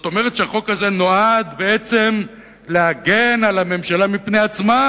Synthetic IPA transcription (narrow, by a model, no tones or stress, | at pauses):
zot̪o̞meʁet̪ʃeaχo̞kaze̞no̞ad̪be̞et͡se̞m | leaɡenalame̞mʃalamipnejat͡sma